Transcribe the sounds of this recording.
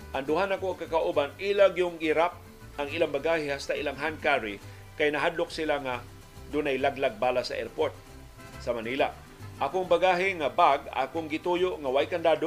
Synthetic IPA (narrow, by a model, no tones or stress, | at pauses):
ʔɐŋd̪ʊɦanɐkoɐɡ̚kakaʔubanilaɡiʊŋɡiɾap̚ | ʔɐŋilaŋbaɡahɪhast̪aʔilaŋɦankaɾi | kajnɐɦad̪lok̚sɪlaŋa | d̪ʊnajlaɡlaɡ̚baːlasɐʔɛɾpoɹt̪̚ | sɐmanila̰ | ʔɐkoŋbaɡaːɦɪŋabaɡ̚a̰koŋɡɪt̪ujoʔŋawajkand̪aːd̪o